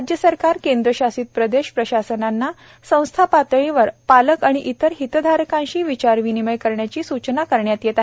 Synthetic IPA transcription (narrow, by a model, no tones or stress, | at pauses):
ad͡ʑjəsəɾkaɾkend̪ɾəɕasiːt̪̚pɾəd̪eɕpɾəɕasənanːa | sə̃w̃st̪ʰapat̪ɭiʋəɾpaləkaɽ̃iʔit̪əɾɦit̪d̪ʱaɾkãɕiːʋit͡ɕaɾʋiniməjkəɾɳjat͡ɕiːsut͡ɕnakəɾɳjat̪jet̪aɦe